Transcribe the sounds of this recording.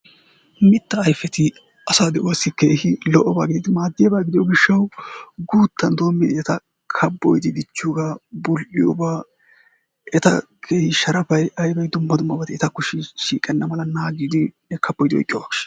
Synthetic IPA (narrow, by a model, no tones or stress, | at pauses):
mɪt̪ːɐɐjfɛt̪ɪ | ʔɐsaːd̪ɛʔoɐsːɪke̞ːhɪlɔʔɔbaːɡɪd̪ɪd̪ɪmaːd̪ːɪjɐbaːɡɪd̪ɪjɔɡɪʃːɐwɡuːt̪ːɐnd̪o̞ːmːɪd̪ɪɛt̪ɐ | kʰɐbːɔjd̪ɪd̪ɪt͡ʃːʊɡabʊlʔɪjɔ̰baː | ɛt̪ɐ | kʰeːhɪʃɐɾɐfɐjʔɐjbɐjd̪ʊmːɐd̪ʊmːɐbɐt̪ɪɛt̪ɐkʊʃɪʃiːkʼɛnːɐmɐlɐnaːɡiːd̪ɪnɛkʰɐb̥ːɔjt̪ɪɔ̰jkʼɪjɔbɐːɡɪʃ